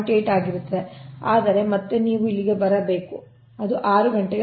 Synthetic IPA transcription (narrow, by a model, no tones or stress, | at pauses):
ʈeːʈaːɡiɾut̪ːeaːd̪ɐɾe̞mɐt̪ːeniːʋuilːiɡe̞bɐɾɐbe̞ːku | ɐd̪uʔaːɾuɡɐɳʈɛɡ